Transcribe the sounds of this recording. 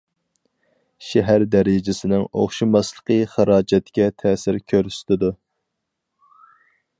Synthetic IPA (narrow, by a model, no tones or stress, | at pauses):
ʃɛɦæɾd̪æɾɪd͡ʒɪsɪnɪŋo̰χʃimɑslˠə̥qʰəχəɾɑːd͡ʒɛt̪kʲɛt̪ʰɛːsɪɾkʲʰøɾsɪ̥t̪ɪd̪u